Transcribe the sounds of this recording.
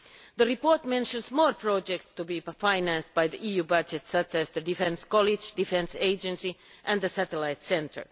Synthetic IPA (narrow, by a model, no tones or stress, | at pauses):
ðəɹipɔɹt̪mɛ̃nʃɨ̃nsmoɹpʰɹod͡ʒɛk̚tst̪ubifaɪnæ̃nst̚b̥ajðəʔiːjuːbʌd͡ʒɛt̪sʌt͡ʃæzðɨdifɛ̃nskɔlɪd͡ʒdifɛ̃nseɪd͡ʒə̃nsiʔæ̃nðəsæt̪əlaɪtsɛ̃nt̪ʰə̰˞